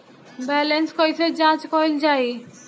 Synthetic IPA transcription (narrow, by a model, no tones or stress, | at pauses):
bɛːlenskoised͡ʑãːt͡ʃkɔɪld͡ʑaːi